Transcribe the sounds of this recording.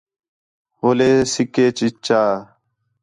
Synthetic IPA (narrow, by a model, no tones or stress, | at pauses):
ɦoːleːsɪkeːt͡ʃit͡ʃaː